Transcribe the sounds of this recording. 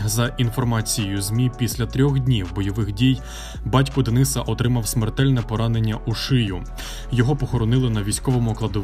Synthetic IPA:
zɐʔin̪fɔrmɑt͡sʲijjʊzmʲipʲisʲlʲɐt̪ɾʲɔxdʲnʲiwbɔjɔʋɪxdʲij | bɑtʲkʊd̪enɪsɐʔɔt̪ɾɪmɐwsmert̪ɛlʲnɛpɔɾɑnenʲːɐʔuʃɪjʊ | jɔɦɔpɔxɔɾɔnɪlˠɪnɐʋʲijsʲkɔʋɔmʊklˠɐd̪ɔ

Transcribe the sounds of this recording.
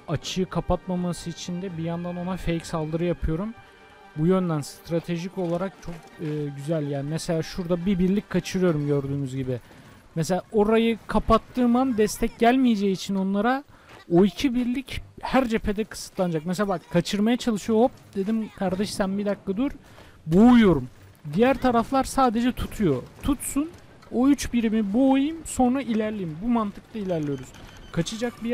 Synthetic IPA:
at͡ʃʰɯkʰapʰat̪mamasɯit͡ʃʰind̪ɛbijand̪ano̞nafejcsalˠd̪ɯɾɯjapʰɯjo̞ɾum | bujø̞nd̪ænst̪ɾat̪ʰe̞ʒico̞lˠaɾak̚t͡ʃʰo̞k | ɯːɟyzælʲjaːnimɛselʲaːʃuɾd̪abibiɾlʲickʰːat͡ʃʰɯɾɯjo̞ɾumɟø̞ɾd̪yːmyzɟibɪ | mɛs̬e̞lʲaːʔo̞ɾajɯkʰapat̪ʰːɯːmand̪ɛst̪ʰɛc̚ɟælʲmijed͡ʒejiːt͡ʃʰino̞nlˠaɾa | oicʰibiɾlʲichæɾd͡ʒe̞pʰe̞d̪ɛkʰɯ̥sɯ̥t̪lˠand͡ʒak̚mɛselʲabakkʰːat͡ʃʰɯɾmajat͡ʃʰalˠɯʃɯjohop̚d̪e̞d̪imkʰaɾd̪ɛʃsænbid̪akːad̪uɾ | boujo̞ɾum | d̪ijæɾt̪ʰaɾaflˠaɾsaːd̪e̞d͡ʒɛt̪ʰut̪ʰujo̞t̪ʰut̪sun | oyt͡ʃbiɾimiboːjɯmso̞nɾaʔilʲæɾlʲijimbumant̪ʰɯ̥k̚t̪ʰˠailʲæɾlʲijo̞ɾuz̥kʰat͡ʃʰɯd͡ʒak̚bi

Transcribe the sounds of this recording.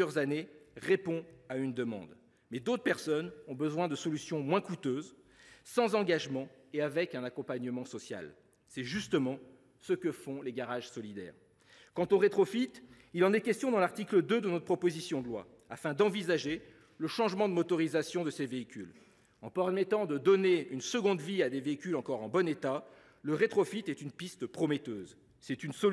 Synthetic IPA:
jœʁzaneʁepɔ̃aynd̪əmɑ̰̃d̪ | mɛd̪ot̪χəpɛʁsɔnɔ̃bəzwɛ̃d̪əsɔlysjɔ̃mwɛ̃kut̪øz | sɑ̃zɑ̃ɡaʒmɑ̃ | eavɛkɛ̃nakɔ̃paɲəmɑ̃sɔsja̰l | sɛʒyst̪əmɑ̃ | səkəfɔ̃leɡaʁaʒsɔlid̪ɛ̰ːʁ | kɑ̃t̪oʁet̪χɔfit̪ | ilɑ̃nɛkʲɛst̪jɔ̃d̪ɑ̃laʁt̪ikləd̪ød̪ənɔt̪pχɔpozisjɔ̃d̪əlwa̰ | afɛ̃d̪ɑ̃vizaʒe | ləʃɑ̃ʒmɑ̃d̪əmɔt̪ɔʁizasjɔ̃d̪əseveikʲyl | ɑ̰̃pɛmɛt̪ɑ̃d̪əd̪ɔneynsəɡɔ̃d̪viad̪eveikʲylɑ̃kɔʁɑ̃bɔnet̪a | ləʁet̪χɔfit̪ɛt̪ynpist̪pχɔmɛt̪øːz | sɛt̪ynsɔ

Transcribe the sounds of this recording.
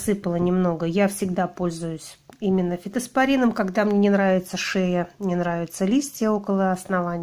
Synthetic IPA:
sɨpəlˠənʲɪmno̞ɡəjafsʲɪɡd̪apo̞lʲzʊjʊsʲimʲɪnːəfʲɪt̪əspɐɾʲinɨmkɐɡd̪amnʲenʲɪnɾavʲɪt̪səʂejənʲɪnɾavʲɪt̪səlʲisʲtʲɪjəo̞kəlˠəɐsnɐvanʲɪ

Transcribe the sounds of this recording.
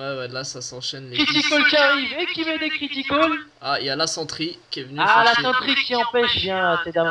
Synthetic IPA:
wɛwɛlasasɑ̃ʃɛnleit̪ikɔlkʲiaʁivekʲimɛd̪ekχit̪ikɔl | ailjalasɑ̃t̪χikʲiɛvənyalasɑ̃t̪χikʲiɑ̃pɛʃbjɛ̃sɛd̪av

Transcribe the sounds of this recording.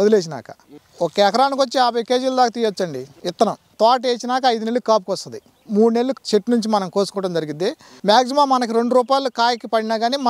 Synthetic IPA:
od̪ileːs̬ina̰ːkɐ̥ | okeːɛkɐɾaːnikot͡ʃːiaːbʱɐjkeːd͡ʒilud̪aːkɐt̪iːjʋot͡ʃːɐɳɖiɪt̪ːɐnɐ | t̪aːʈ̬eːt͡ʃinaːkɐɐjd̪une̞lːukaːp̬ukʋɐst̪ɐnd̪i | muːɽune̞lːut͡ʃeʈnuɲt͡ʃimɐnɐmkoːsu̥kɔːʈɐmd͡ʒɐɾiɡind̪e | maːks̬imaːmɐnɐkiɾe̞ɳɖuɾuːpaːjlukaːjɐkipɐɽinaːɡaːniːmɐ

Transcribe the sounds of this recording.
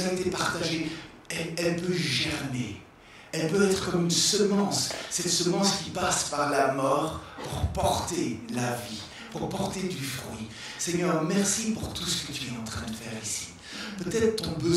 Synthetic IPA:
aet̪epaʁt̪aʒe | ɛlɛlpøʒɛʁne | ɛlpøɛt̪χə̥kɔmynsəmɑ̃ssɛt̪səmɑ̃skʲipaspaʁlamɔːʁpuʁpɔʁt̪elavi | puʁpɔʁt̪ed̪yfχɥḭ | sɛɲœːʁmɛʁsipuʁt̪usə̥kə̥kət̪yɛɑ̃t̪χɛ̃d̪əfɛʁisi̥ | pøt̪ɛt̪χət̪ɔ̃bə

